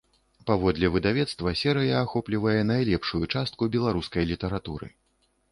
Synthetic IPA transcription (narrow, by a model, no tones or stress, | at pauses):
pavɔd̪lʲɛvɨd̪avʲɛt̪st̪vɐsʲɛɾɨjɐːxɔplʲivɐjɛnajlʲɛpʂujut͡ʂast̪̚kubʲɛlˠaɾuskɐjlʲit̪ɐɾat̪uɾɨ̰